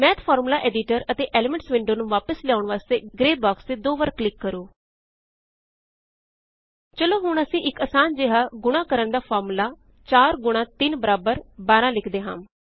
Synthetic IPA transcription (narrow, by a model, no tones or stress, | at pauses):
mɛ̃ːt̪pʰɔːɾmulaːʔɛːɖɪʈəɾət̪eːʔɛːlɪmɛ̃ɳʈsʋɪɳɖoːnũːʋaːpəsljaːʊɳʋaːst̪eːɡɾeːbaːkst̪eːd̪oːʋəɾkːlɪkːəɾũː | t͡ʃəloːɦʊɳəsĩːʔɪkəːsaːnd͡ʒeːɦaːɡʊɽ̃aːkəɾəɳd̪aːpʰɔːɾmulaː | t͡ʃaːɾɡʊɽ̃ãːt̪ɪnbəɾaːbəɾbaːɾãːlɪkʰd̪eːɦã̰ːm